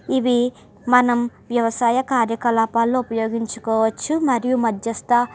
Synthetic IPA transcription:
iʋi | mɐnɐmʋjɐʋɐsaːjɐkaːɾjɐkɐlaːpaːlːoːupɐjoːɡiɲt͡ʃu̥kɔːʋɐt͡ʃːumɐɾijumɐd̪jɐst̪ɐ

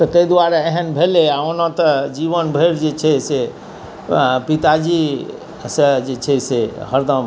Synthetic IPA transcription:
t̪ɔk̪əjd̪waɾaeɦənbʱeleaonat̪əd͡ʒiβənbʱəɾd͡ʒet͡ʃʰɛse | pit̪ad͡ʒi | səd͡ʒet͡ʃʰɛsehəɾd̪əm

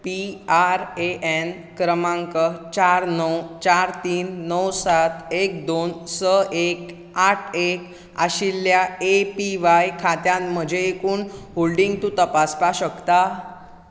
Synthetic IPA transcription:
piaɾeʔen | kɾəmãŋkət͡ɕaɾnəwt͡ɕaɾt̪iːnːəwsat̪ek̚d̪onsəʔek | aʈʰek | aɕilːjaepiʋajkʰat̪jãnm̤əd͡ʑʱeːkuːnɦolɖiŋɡt̪ũt̪əpaspaɕəkt̪a

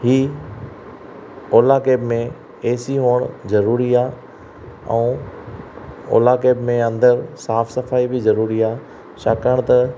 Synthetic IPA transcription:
ɦiː | oːlakeːbmẽ | eːsiɦoːɽ̃zɐɾuːɾiaː | ɛ̰̃ː | o̰ːlakeːbmẽɐ̃nd̪əɾsaːfsɐfaːibɪzɐɾuːɾiaː | ʃaːkəɽ̃t̪ɐ

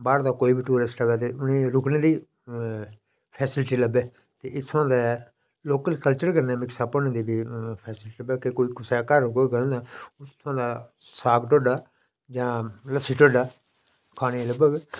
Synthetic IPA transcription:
baːɽd̪aːkoːiːbiːʈuːɾɪsʈəbɛːt̪eːʊnẽːɾʊknẽːd̪iː | pʰɛːsɪlʈiːləbɛː | t̪eːʔɪt̪ʰːʊãːd̪aː | loːkəlkəlt͡ʃəɾkəɾnɛːmɪksaːpɔːnẽːd̪iːbiːpʰɛːsɪlʈiːləbɛːkekoːiːkʊsɛːkəɾkoːiɡəõːd̪aːt̪ʰːʊãːd̪aː | saːɡʈoːɖaː | d͡ʒãːləsiːʈoːɖaː | kʰaːɽ̃eːləbəɡ

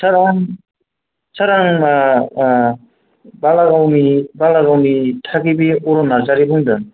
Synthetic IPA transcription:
saɾaŋ | saɾaŋa | balaɡawnibalaɡawnitʰakibiɔɾɔnazaɾibɯŋdɯŋ

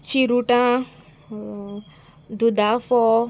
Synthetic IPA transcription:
t͡ʃiɾuʈã | d̪ud̪afɔ

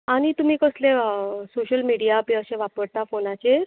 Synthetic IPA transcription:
aɽ̃it̪um̤iːkəslesoɕəlmiɽijaəpẽəɕẽʋapəɽt̪afonat͡ɕeɾ

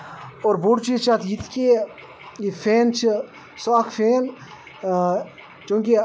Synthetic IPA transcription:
oːɾboɖt͡ʃit͡ʃʰat̪ʰjit̪ke | jifʰeːnt͡ʃʰi | saːkʰfʰeːn | t͡ʃũːki

